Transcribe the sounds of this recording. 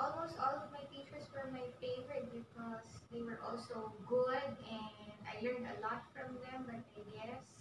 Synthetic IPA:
ɔlmoʊstɔːlɔvmajtit͡ʃəɹswə˞maɪfeɪvəɾɛt̚bɪkʰɔzðeɪwəɹʔɔ̰lˠsoʊɡʊdɛ̃na̰ɪlɜ̃˞ndəlɔtfɹʌ̃mðɛ̃mbʌt̪̚aɪjɛs

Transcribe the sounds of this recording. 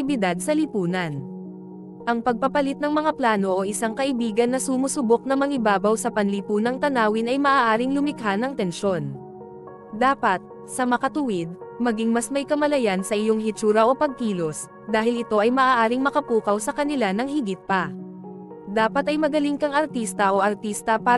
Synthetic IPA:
ɪbɪd̪ad̪̚sɐlipuːnɐn | ʔɐŋpɐɡ̚pɐpɐlɪt̪̚nɐŋmɐŋaplaːno̞ʔoʔɪsaŋkɐʔɪbiːɡɐnːɐsumusʊbok̚nɐmɐŋɪbaːbɐwsɐpɐnlipuːnɐŋt̪ɐnaːwɪnɐjmɐʔaːʔaːɾɪŋlʊmɪkɦanːɐŋt̪ɛnʃo̞n | d̪aːpɐt̪̚ | sɐmɐkɐt̪ʊwɪd̪̚mɐɡiŋmɐsmɐjkɐmɐlɐjansɐʔɪjo̞ŋɦɪt͡ʃuːɾɐʔo̞pɐɡ̚kiːlo̞s | d̪aːɦɪlɪt̪o̞ʔɐjmɐʔaːʔaːɾɪŋmɐkɐpuːkɐwsɐkɐnɪlanɐŋhɪɡɪt̪̚pɐ | d̪aːpɐt̪ʔɐjmɐɡɐliŋkɐŋɐɾt̪ist̪ɐʔo̞ʔɐɾt̪ist̪ɐpaː

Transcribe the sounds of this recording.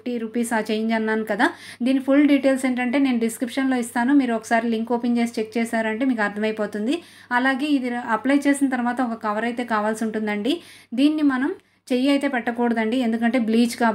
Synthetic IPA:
ʈiɾuːpiːsaːt͡ʃejiɲd͡ʒɐnːaːnukɐd̪aː | d̪iːnːipʰulɖiːʈe̞ːlse̞ːɳʈ̬ɐɳʈe̞ːne̞ːnuɖiskɾipʂɐnlo̞ːist̪aːnumiːɾuɔkɐ̥saːɾiliŋko̞ːpeɲt͡ʃe̞ːs̬i̥t͡ʃek̚t͡ʃɛːsaːɾɐɳʈe̞ːmiːkuɐɾt̪ʰɐmɐjpo̞ːt̪und̪i | ɐlaːɡe̞ːid̪iɐplɐjt͡ʃe̞ːsinɐt̪ɐɾʋaːt̪ɐɔkɐkɐʋɐɾɐjt̪e̞ːkaːʋaːlsiuɳʈund̪ɐɳɖi | d̪iːnːimɐnɐm | t͡ʃe̞jiɐjt̪e̞ːpɛʈːɐkuːɽɐd̪ɐɳɖie̞nd̪ukɐɳʈe̞ːbliːt͡ʃkaː

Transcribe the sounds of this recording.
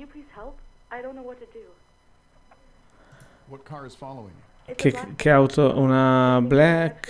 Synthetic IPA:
ɨpʰl̥iz̥hɛlˠpʔaɪɾõʊ̃nːoʊwʌtʰɨdɨ | wʌt̚kʰɑɹɨz̥fɑlˠoʊɪ̰̃ŋ | kkʰeawt̪ʰoʔunablɛk

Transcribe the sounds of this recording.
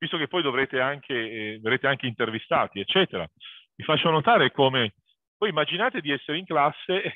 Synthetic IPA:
vist̪ok̟epːɔjd̪ovɾeːt̪eaŋkʰeverɾeːt̪eaŋk̟eint̪ervist̪a̰ːt̪iet͡ʃːɛːt̪eɾa̰mifat͡ʃːonot̪aːɾekome | vɔjimːad͡ʒinaːt̪ed̪iɛsːeɾeiŋklasːe

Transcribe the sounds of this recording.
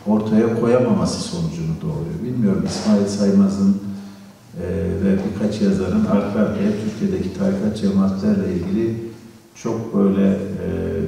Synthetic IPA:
o̞ɾt̪ʰajakʰo̞jamamasɯ̥so̞nud͡ʒunud̪o̞ːɾujobilʲmijo̞ɾumismaːilʲsajmazɯn | vɛbiɾkʰat͡ʃjazaɾɯnaɾk̪ʰaɾt̪ʰɛt̪ʰyɾcʰijed̪ecʰi̥t̪ʰaːɾikad͡ʒamat̪lˠaɾlʲˠailʲɟilʲi | t͡ʃʰo̞kbø̞jlʲɛ

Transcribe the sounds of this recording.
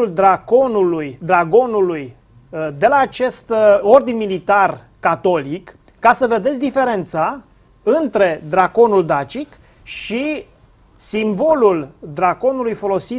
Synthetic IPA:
uld̪ɾako̞nulujd̪ɾaɡo̞nuluj | d̪e̞laːt͡ʃe̞st̪o̞rd̪inmilit̪ar | kat̪o̞likː | asəve̞d̪esʲd̪ife̞ɾe̞nt̪sa | ɨnt̪ɾe̞d̪ɾako̞nuld̪at͡ʃik | ʃi | simbo̞luld̪ɾako̞nulujfo̞lo̞si

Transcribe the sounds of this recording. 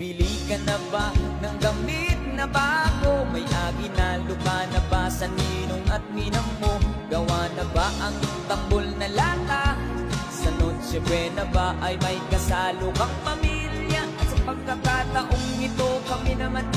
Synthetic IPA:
bilikɐnɐbanɐŋɡɐmit̪̚nɐbaːɡomɐjʔaːkɪnalʊkanɐbasɐniːnoŋɐt̪̚minɐmːoɡɐwanɐbaʔɐŋɪt̪ɐmbolnɐlaːt̪a | sɐnod̪̚t͡ʃɛbɛnɐbaʔɐjmɐkɐsaːlokɐŋpɐmiljɐʔɐt̪sɐpɐɡ̚kːɐkat̪ɐʔoŋːɪt̪o̞kɐminɐman

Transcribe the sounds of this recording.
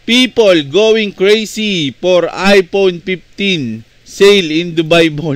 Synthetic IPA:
pipolɡowɪ̃ŋkɹejsifoɹajponpift̪ĩn | sejlɪ̃nd̪ʊbajbɔ

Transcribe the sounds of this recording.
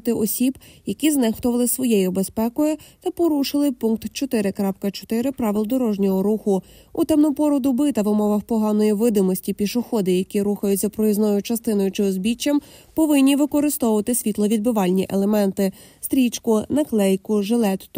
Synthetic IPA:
t̪ɪʔɔsʲibjɐkʲiznɛxt̪ɔʋɐlˠɪsʋɔjɛjʊbespɛkɔjʊt̪ɐpɔɾuʃɪlˠɪpunk̚t̪t͡ʃɔt̪ɪɾɪkɾɑpkɐt͡ʃɔ̥t̪ɪɾɪpɾɑʋɪlˠd̪ɔɾɔʒnʲɔɦɔɾuxʊ | ut̪ɛmnɔpɔɾɔd̪ʊbɪt̪ɐʋɪmɔʋɐwpɔɦɑnɔjiʋɪd̪ɪmɔsʲtʲipʲiʃʊxɔd̪ɪjɐkʲiɾuxɐjʊtʲzʲɐpɾɔjiznɔjʊt͡ʃɐst̪ɪnɔjʊt͡ʃɪɔzbʲit͡ʃːɐmpɔʋɪnʲːiʋɪkɔɾɪst̪ɔʊʋɐt̪ɪsʲʋʲit̪lˠɔʋʲid̪̚bɪʋɑlʲnʲiʔelˠemɛnt̪ɪ | st̪ɾʲit͡ʃkʊnɐklˠɛjkʊʒelˠɛt̪

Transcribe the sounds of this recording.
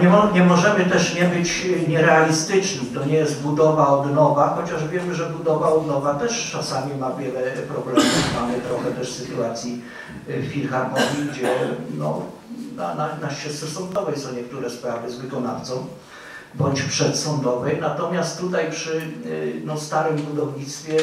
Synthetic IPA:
ɲɛɔɲɛmɔʐɛmɘt̪ɛʂɲɛbɘt͡ɕɲɛɾɛalʲist̪ɘt͡ʂnɘmt̪ɔɲɛjɛst̪̚bud̪ɔvaɔd̪nɔvaxɔt͡ɕaʐvʲjɛmɘʐɛbud̪ɔvaɔd̪nɔvat̪ɛʂt͡ʂasamʲimavʲjɛlɛpɾɔblɛmufmamɘt̪ɾɔxɛt̪ɛʂsɘt̪uat̪sʲji | fxʲilxamɔvʲiɡd͡ʑɛnɔ̰ | na̰nanaɛst̪sɛsɔnd̪ɔvɛjsɔ̃w̃ɲɛk̚t̪uɾɛspɾavɘzvɘkɔna̰ft̪sɔ̃w̃ | bɔɲt͡ɕpʂɛt̪sɔnd̪ɔvɛjnat̪ɔmʲjast̪tːut̪ajpʂɘnɔst̪aɾɘmbud̪ɔvɲit̪st̪fʲjɛ

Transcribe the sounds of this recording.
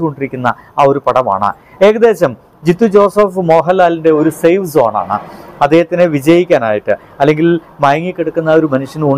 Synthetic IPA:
uko̞ɳɖiɾikʲːunːɐ | o̞ɾupɐɽɐma̰ːɳɨ̰ | e̞ːɣɐd̪e̞ːɕɐm | d͡ʑit̪ːud͡ʑoːsɐfmo̞ːɦɐlːaːlinde̞o̞ɾusejʋzo̞ːɳa̰ːɳɨ̰ɐd̪ːeːɦɐt̪ːinɨʋid͡ʑɐjikʲːaːna̰ːjiʈːɨ | ɐlːe̞ŋɡil | mɐjɐŋːikʲːeɽukːunːɐoɾumɐnuʂjɐnu

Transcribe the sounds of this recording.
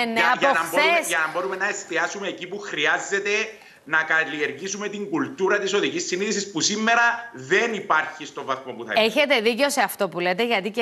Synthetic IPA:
nɐnɐboesʝɐnɐmbo̞ɾume̞nɐest̪iɐsume̞ːcipuxɾiɐzːe̞t̪e̞ | nɐkɐlie̞ɾɣisume̞t̪iŋɡult̪uɾɐt̪iso̞ðicisːiniθisispusimːe̞ɾɐðe̞nipɐɾçist̪o̞vɐθmopuθɐ̰eçe̞t̪e̞ðice̞o̞seɐft̪o̞pule̞t̪e̞ʝɐt̪ice

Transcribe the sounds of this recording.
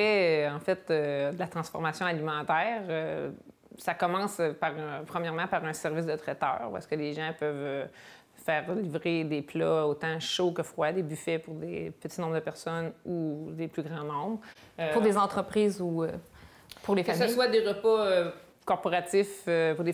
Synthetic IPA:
ɛɑ̃fɛt̪ød̪əlat̪χɑ̃sfɔʁmasjɔ̃alimɑ̃t̪ɛːʁø | sakɔmɑ̃spaʁpχəmjɛʁmɑ̃paʁɛ̃sɛʁvɪs̬d̪ət̪χɛt̪œ̰ːʁwa̰skəleʒɑ̃pœvø | fɛːʁlivʁed̪eplɔot̪ɑ̃ʃokəfχwad̪ebyfɛpʊʁd̪ḛpət͡s̪i̥nɔ̃bʁd̪əpɛʁsɔnud̪eplyɡʁɑ̃nɔ̃bʁ | puʁd̪ezɑ̃t̪χəpχiːzuø | puʁlefkəasəswad̪eʁəpɔ | kɔʁpɔʁat̪ɪføpuʁd̪e

